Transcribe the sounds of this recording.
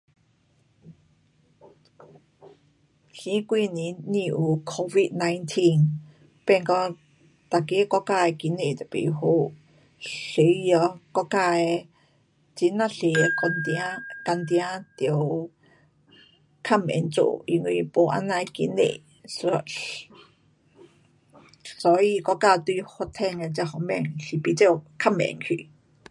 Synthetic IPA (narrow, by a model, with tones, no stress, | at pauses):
ɬĩ˦kʷiː˧˨ni˧ni˧ʔu˧kʰo˧vi˧ʔ̪na˧jnt̪ʰi˧n | pe˧˨ŋkɔ˧ | t̪a˧ke˦kɔ˦ka˧˨e˧ki˧ne˧˨t̪a˨pḭ˨ɦu˧˦ | ɬi˨˧˦jɔ˧kɔ˧kaː˧e˧ | t͡si˧nã˧˨ɬi˨˧kɔ˧nt̪ja˦ka˧nt̪̬jã˦t̪jə˧w | kʰa˦˧mɛ̰˨nt͡sṵ˧ʔi˧ŋu˧po˧ʔa̰˧nã˧jkḭ˧nḛ˧˨ | so˧ | sɔ˧i˧kɔ˦ka˧t̪u˧jho˧t̪ʰɛ˧ŋa˧t͡sa˧hɔ˧mɛ̰˧˨ŋɬi˧pi˧t͡se˦˧kʰa˥˧mɛ̰˨ŋkʰḭ˧˨